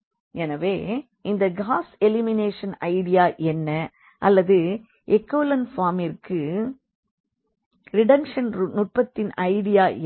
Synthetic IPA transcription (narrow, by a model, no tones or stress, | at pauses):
ɛnɐʋeː | ʔɪnd̪ɐɡaːsɛlɪmɪneːʂɐnɐɪɽɪjaːʔɛnːɐ | ʔɐlːɐðɯ | ʔɛkːoːlɐnfaːmɪrkɯ | ɾɪɽɐmʂɐnnʊʈ̚pɐt̪ːɪnɐɪɽɪjaːʔ